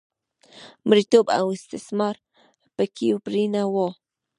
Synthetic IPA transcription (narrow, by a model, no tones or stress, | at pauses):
mɾit̪uba̰wist̪esmaɾ | pəkiupɾinawo